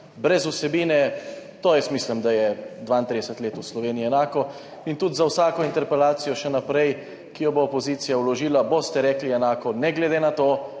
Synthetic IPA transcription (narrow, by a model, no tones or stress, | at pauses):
bɾɛzusɛbiːnɛt̪oːjɛsmiːslimd̪ajɛd̪ʋaint̪ɾid̪ɛsət̪leːt̪uslɔʋeːniiɛnaːkɔ | int̪ud̪zawsaːkɔint̪ɛɾpɛlaːt̪sijɔʃɛnapɾɛj | kijɔboːpɔziːt̪sijawlɔʒiːlabost̪ɛɾɛːkliɛnaːkɔnɛɡlɛd̪enat̪oː